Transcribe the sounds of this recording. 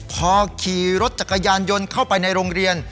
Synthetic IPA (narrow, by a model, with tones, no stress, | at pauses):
pʰɔː˧kʰiː˨˩ɾo˦˥t̪̚t͡ɕa˨˩kːa˧jaː˧njo˧nkʰa˥˩wpa˧jna˧jɾoː˧ŋɾi˧ən